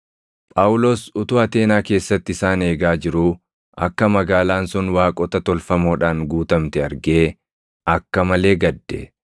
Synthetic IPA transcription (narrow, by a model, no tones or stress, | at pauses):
pʼaːwʊloːsʊt̪ʊːɐt̪e̞ːnaːke̞ːsːɐt̪ːɪsaːne̞ːɡaːd͡ʒɪɾuː | ʔɐ̰kːɐmɐɡaːlaːnsʊnwaːkʼɔt̪ɐt̪ɔlfɐmo̞ːᶑaːŋɡuːt̪ɐmt̪ɛɐɾɡeː | ɐkːɐmɐle̞ːɡɐd̪ːɛ̰